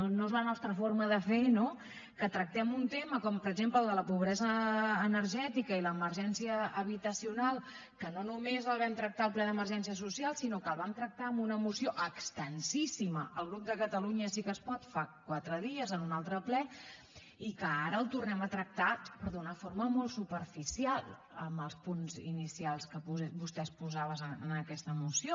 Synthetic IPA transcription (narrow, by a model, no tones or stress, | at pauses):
noezlənɔst̪ɾəfoɾməðəfeno | kət̪ɾək̚t̪ɛmunt̪eməkɔmpəɾəɡzempləːlˠd̪ələpuβ̞ɾɛzəːnəɾʒɛt̪ikəiləːməɾʒɛnsiəːβit̪əsiunalˠ | kənonumezəlˠβ̞ɛmt̪ɾək̚t̪aəlˠplɛðəməɾʒɛns̬iəs̬usialˠsinokəlˠβamt̪ɾək̚t̪aəmunəmusioʔəkst̪ənsisiməʔəlˠɣ̞ɾup̚d̪əkət̪əluɲəsikəspɔt̪fakwat̪ɾəðiəzənunalˠt̪ɾəplɛ | ikəaɾəːlˠt̪urnɛmət̪ɾək̚t̪apəɾðunəfoɾməmolˠt̪supəɾfisialˠ | ə̰mbəlˠspunzḭnisialˠskəpuɛbust̪ɛspuzaβəzəənəkɛst̪əmusio